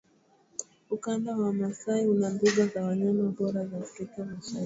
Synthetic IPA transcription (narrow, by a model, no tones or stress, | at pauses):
ukandawamasaiunambiɠazawaɲanaɓɔɾazaːfɾikamaʃai